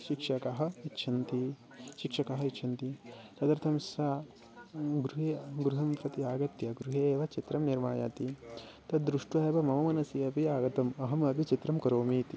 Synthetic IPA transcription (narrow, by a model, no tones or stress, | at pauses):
ʃikʂɐkaɦɐ̆itːʃʰɐnt̪i | ʃikʂɐkɐɦɐitːʃʰɐnt̪it̪ɐt̪ɐɾt̪ʰɐmsaː | ɡɾuɦeːɡɾuɦɐmpɾɐt̪iaːɡɐt̪jɐɡɾuɦeːʋɐt͡ʃit̪ɾɐmniɾmaːja̰ːt̪it̪ɐd̪ɾuʂʈueːʋɐmɐmɐmɐnɐsiɐpiaːɡɐt̪ɐmɐɦɐmɐpit͡ʃit̪ɾɐmkɐɾoːmiːt̪i